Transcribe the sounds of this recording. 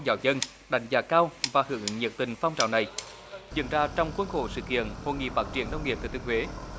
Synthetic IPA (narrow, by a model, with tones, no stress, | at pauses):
zaː˧˩wzə˧n | ɗa̰˨˩˦jŋ̟zaː˨˧˩kaː˧wvaː˨˩hɨ̰˧˩əŋɲə˨˩k̚t̪ï˨˩ŋ̟fa˧wŋ͡mt͡ɕa̰ː˧˨wna˨˩j | zɨ̰˧˥ənzaː˧t͡ɕɔ˧wŋ͡mxwə˧nxo̰˧˩sɨ̰˧˨kḭ˧˨ənho̰˧˨ŋḭ˧˨faː˦˥t̚t͡ɕi˧˩ənːə˧wŋ͡mŋi˨˩əp̚t̪ːt̪i˧hwe˨˦